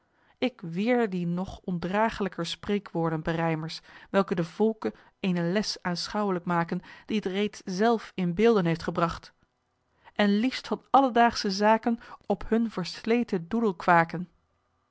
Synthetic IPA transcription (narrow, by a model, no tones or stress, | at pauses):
ɪkʋɪːɹdinɔχɔndraːχələkəɹsprejkʋʊːɹdənbərɛjməɹsʋɛlˠkədəv̥ɔlˠkə | ejnəlɛsaːnsχɑwələkmaːkənd̥iətrejtszɛlˠfɪnbɪːlˠdənɦejftχəbrɑχt | ʔɛnlifstfɑnɑlədaːχsəzaːkənɔpɦɵnvəɹslejtədudəlˠkʋaːkən